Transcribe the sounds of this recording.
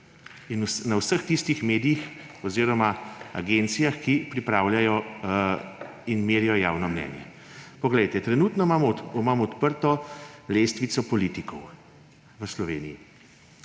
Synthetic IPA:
insnɐwsəxt̪ist̪ixmeːd̪ijix | ɔziːɾɔmaa̰ɡent̪sijaxkipɾipɾaːwljajɔ | inmeːɾijɔja̰ːwnɔmnɛ̰ːnjɛ̰ | pɔɡlɛjt̪ɛt̪ɾɛnuːt̪nɔmamɔɔmamɔɔt̪pəɾt̪ɔleːst̪ʋit̪sɔpɔliːt̪ikɔw | ʋəslɔʋeːniji

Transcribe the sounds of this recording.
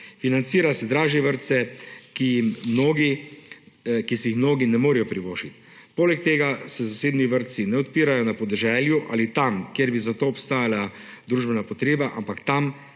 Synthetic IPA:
finant̪siːɾasɛd̪ɾaːʒɛʋəɾt̪sɛkijimmnoːɡi | kisɛjixmnoːɡinɛmoːɾɛjɔpɾiʋoːʃit̪ | poːlɛk̚t̪eːɡasɛzaseːbniʋəɾt̪sinɛɔt̪piːɾajɔnapɔd̪ɛʒɛːljuʔa̰lit̪amkjeɾbizat̪oːpst̪aːjala | d̪ɾuʒbɛnapɔt̪ɾeːbaʔa̰mpakt̪am

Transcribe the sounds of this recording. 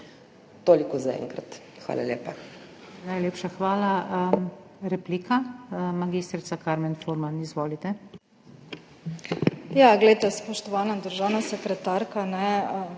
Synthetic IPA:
t̪oːlikɔzaɛ̰̃ŋkɾa̰t̪ | xʋa̰ːla̰ljeːpa | najleːpʃaxʋaːla | ɾɛpliːkamaɡiːst̪ɾit̪sakaɾmɛnfoːɾmanizʋoːlit̪ɛ | jaɡlɛejt̪ɛspɔʃt̪ɔʋaːnad̪əɾʒaːwnasɛkɾɛt̪aɾkanɛ

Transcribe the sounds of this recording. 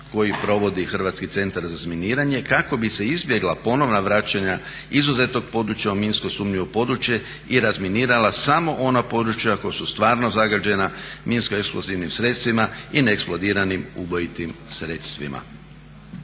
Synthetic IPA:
ko̞jipɾo̞ʋo̞d̪ixr̩ʋat̪skit̪se̞nt̪aɾzazminiːɾaɲe̞kako̞bise̞izbje̞ɡlˠapo̞no̞ʋnaʋɾaːt͡ʃaɲa | izuze̞t̪no̞ɡ̚po̞d̪ɾut͡ʃjauminskosuːmɲiopo̞d̪ɾut͡ʃje | iɾazminiːɾalasamo̞ʔo̞napo̞d̪ɾut͡ʃjako̞josust̪ʋaːɾno̞zaɡad͡ʒe̞naminskoeksploziʋnimsɾe̞t̪st̪ʋimaineeksplˠod̪iːɾanimubojit̪imsɾe̞ːt̪st̪ʋḭma̰

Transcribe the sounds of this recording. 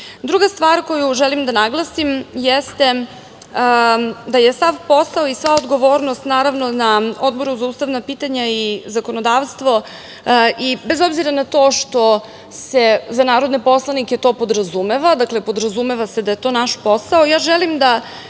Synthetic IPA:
d̪ɾuɡast̪ʋaːɾko̞juʒɛlimd̪anaɡlˠasimjest̪e̞ | d̪ajesaʋpo̞saoisʋaod̪ɡoʋo̞ːɾnost̪naːɾaʋnonao̞d̪bo̞ɾuzauːst̪aʋnapiːt̪aɲaizako̞nod̪aːʋst̪ʋo̞ | ibezobziɾanat̪o̞ːʃt̪o̞ | sezanaːɾod̪nepo̞slˠaniket̪o̞ːpo̞d̪ɾazumeʋad̪akle̞pod̪ɾazumeʋased̪ajet̪o̞ːnaʃpo̞saojaːʒɛlimd̪a

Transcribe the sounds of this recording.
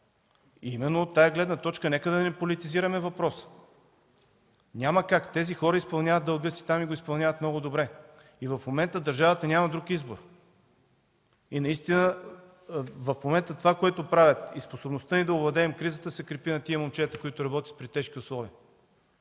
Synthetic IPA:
imɛnːot̪ːajɛɡlɛd̪nət̪ɔt͡ʃkənɛkəd̪ɐnɛpolit̪iziɾɐmɛvɐpɾɔsə̥ | nʲaməkakt̪ɛzixɔɾəispɐlˠnʲavət̪d̪ɐlˠɡɤsi̥t̪amiɡoispɐlˠnʲavɐt̪mnɔɡʊd̪obɾɛ | ivɐfmomɛnt̪əd̪ɐɾʒavət̪ənʲamɐd̪ɾukizboɾ | inɐist̪inə | vɐfmomɛnt̪ət̪ovakoɛt̪opɾavʲət̪isposobnost̪ənid̪ɐʊblɐd̪ɛːmkɾizət̪əsɛkɾɛpinɐt̪iəmomt͡ʃɛt̪əkoit̪ʊɾɐbɔt̪ʲjət̪̚pɾit̪ɛʃkʲiʊslˠɔviə

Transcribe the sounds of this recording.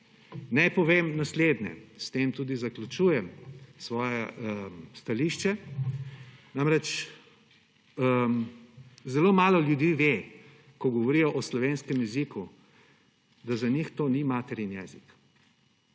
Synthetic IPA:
najpɔʋeːmnasleːd̪nɛ̰st̪eːmt̪uːd̪izaklʲut͡ʃuːjɛmsʋɔːjɛ | st̪aliʃt͡ʃɛ | namɾɛt͡ʃ | zɛloːmaːlɔljud̪iːʋe | kɔɡɔʋɔɾiːjɔʔɔslɔʋenskɛmjɛziku | d̪azanixt̪oːnimaːt̪ɛɾinjɛzik

